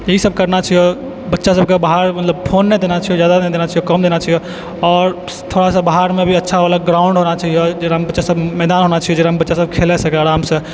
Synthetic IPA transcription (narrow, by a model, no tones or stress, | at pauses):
jeɦisəb̚ʱkəɾnat͡ʃʰijo | bətːʃasəb̚ʱkebaɦaɾmɐt̪ləbpʰoːnːed̪eːnat͡ʃʰijozjaːd̪aed̪eːnat͡ʃʰijokəmd̪eːnat͡ʃijo | ɔːɾ | t̪ʰoːɽasabaɦaɾmẽbʱiɐtːʃʰaaːlaɡɾaːʊ̃ɳɖɦonat͡ʃaɦijod͡ʒeɾambətːʃasəbmɛːd̪aːnɦoːnat͡ʃəijod͡ʒeɾambətːʃasəbkʰeːlesəkeaːɾaːmse